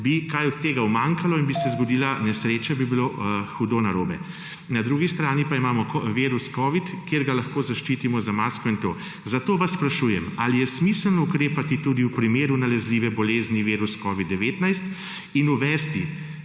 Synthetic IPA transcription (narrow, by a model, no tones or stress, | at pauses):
bikajɔt̪̚t̪ːeːɡauwmaŋkalɔinbisɛzɡɔd̪iːlanɛsɾeːt͡ʃɛbibiloxud̪onaɾoːbɛ̰ | nad̪ɾuːɡist̪ɾaːnipaimaːmɔʋeːɾuskɔːʋit̪keːɾɡalaxkoːzaʃt͡ʃiːt̪imɔzamaːskɔint̪oː | zat̪oːʋasːpɾaʃujɛ̰malijɛsmislnɔukɾeːpat̪it̪uːd̪iwpɾimeːɾunalɛzliːʋɛbɔleːzniʋeːɾuskɔːʋid̪ːɛʋeːt̪najst̪ | inuʋɛːst̪i